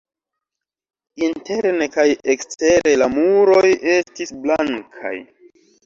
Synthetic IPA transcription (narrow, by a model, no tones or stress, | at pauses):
inte̞ɾnekajekste̞ɾe̞lamuɾo̞je̞stisblaŋkʰa̰j